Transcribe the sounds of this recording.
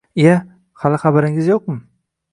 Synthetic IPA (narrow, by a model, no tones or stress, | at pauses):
ea | halɪχabaɾɪŋɪzjoq̚mɪ